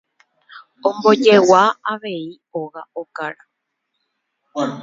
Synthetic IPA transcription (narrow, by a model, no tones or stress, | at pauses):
õmbo̞d͡ʒe̞waaʋe̞i | oɣaʔokaɾa